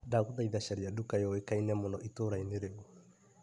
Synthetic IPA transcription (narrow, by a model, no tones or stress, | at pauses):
daɣuðaiðaʃaɾiadukajɔekainɛmonɔʔitoɾaineɾeɔ